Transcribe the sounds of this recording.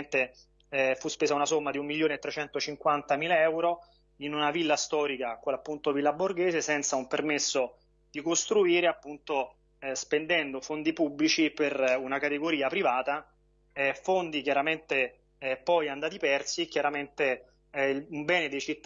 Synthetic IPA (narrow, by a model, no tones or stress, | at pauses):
nt̪e | ɛfuspeːzaunasomːad̪iumːiljoːnet̪ːɾet͡ʃɛnt̪ot͡ʃiŋkwant̪amiːlaɛwɾo | inunavilːast̪ɔːɾikakapːunt̪ovilːaborɡeːzesɛnt̪saumpermesːo | d̪̥ikost̪ɾuiːɾeapːunt̪o | spend̪ɛnd̪ofond̪ipubːlit͡ʃiperunakat̪eɡoɾiːapɾivaːt̪a | ɛfond̪ikjaɾament̪e | ɛpɔjand̪aːt̪ipɛrsikjaɾament̪e | umbɛːned̪ejt͡ʃit̪ː